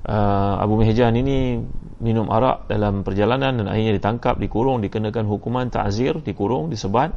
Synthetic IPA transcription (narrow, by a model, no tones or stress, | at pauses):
ʔəa̰bumeɦd͡ʒanini | minʊmʔa̰ɾa̰ʔdalampərd͡ʒalanãndana̰ɦiɲadit̪aŋkap̚dikuɾʊŋdikənãkanɦukumãnt̪a̰ʔzɪrdikuɾʊŋdisəbat̪̚